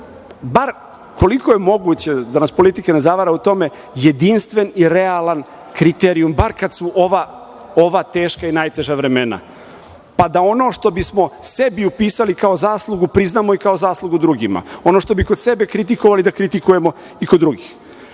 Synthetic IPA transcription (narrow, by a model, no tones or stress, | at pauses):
baɾ | ko̞liko̞jemo̞ɡut͡ɕe̞d̪anaspo̞lit̪ikene̞zaʋaɾaut̪o̞me̞ | je̞d̪inst̪ʋeniɾealan | kɾit̪eɾiumbaɾkad̪suʔo̞ʋa | o̞ʋat̪eːʃkainajt̪e̞ʒaʋɾe̞me̞na̰ | pad̪ao̞no̞ːʃt̪o̞bismo̞se̞biupiːsalikaozaːslˠuɡupɾiznaːmo̞ikao̞zaːslˠuɡud̪ɾuɡima̰o̞noʃt̪o̞bikod̪̥se̞be̞kɾit̪̬ikoʋalid̪akɾit̪ikujemo̞ | ikod̪ːɾuɡix